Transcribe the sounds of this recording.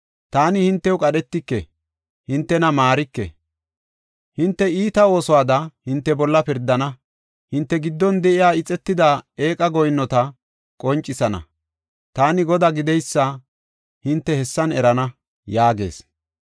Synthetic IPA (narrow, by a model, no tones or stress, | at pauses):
t̪aːnɪhɪnt̪ːɛwkʼɐɗɛt̪ːɪkːɛ̰ | hɪnt̪ːɛnɐmaːɾɪkːɛ̰ | hɪnt̪ːɛiːt̪ɐo̞ːsɔwaːd̪ɐhɪnt̪ːɛbɔlːɐpɪɾd̪ːɐnɐ | hɪnt̪ːɛɡɪd̪ːɔnd̪ɛʔɪjaːɪt͡sʼɛt̪ːɪd̪ae̞ːkʼɐɡɔjnːɔt̪ɐ | kʼɔnt͡ʃʼːɪsɐnɐ̰ | t̪aːnɪɡɔd̪aɡɪd̪ɛjsːɐ | hɪnt̪ːɛhɛsːɐnɛɾɐnɐ | jaːɡe̞̰ːs